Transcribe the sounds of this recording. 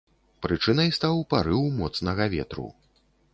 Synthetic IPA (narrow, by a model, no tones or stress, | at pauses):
pɾɨt͡ʂɨnɐjst̪awpaɾɨwmɔt̪snɐɣɐvʲɛ̰t̪ɾṵ